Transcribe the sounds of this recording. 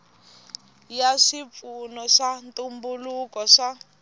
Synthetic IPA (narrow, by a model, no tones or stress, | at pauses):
jaʂip̪funɔʂantʼumbulukɔʂa